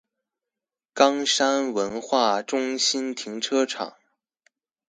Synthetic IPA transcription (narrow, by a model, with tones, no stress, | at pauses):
kɑ˥ŋʂa˥nwə˧˥nxwa˥˩ʈ͡ʂʊ˥ŋɕi˥nt̪ʰi˧˥ŋʈ͡ʂʰɤ˥ʈ͡ʂʰɑ̰˨˩˦ŋ